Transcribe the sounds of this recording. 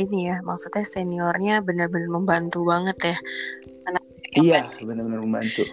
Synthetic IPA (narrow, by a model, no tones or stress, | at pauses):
inijamaksut̪̚ɲaseniɔrɲabənərbənərməmbant̪ubaŋət̪ja | anak̚ | ijabənəbənərməmbant̪u